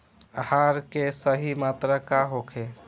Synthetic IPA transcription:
əhaɾkesəɦimat̪ɾəkaɦokʰe

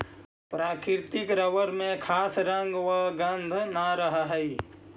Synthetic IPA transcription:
pɾaːkɪɾt̪ɪkɾəʋəɾmẽkʰaːsɾə̃ŋɡʋəɡə̃nd̪ʱnaɾəɦɦəi

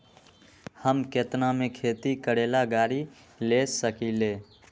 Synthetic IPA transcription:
həmket̪namekʰet̪ikəɽelaɡaːɾi | lesəkile

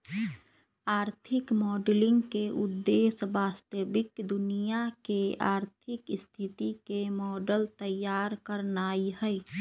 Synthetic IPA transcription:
aːɾt̪ʰɪkmɔːɖlɪ̃ŋɡkeʔʊd̪ːeːsbaːst̪əbɪkd̪ʊnijakeaːɾt̪ʰɪkst̪ʰɪt̪ikemɔːɖəlt̪əjːaːɾkəɾnaːihɛ

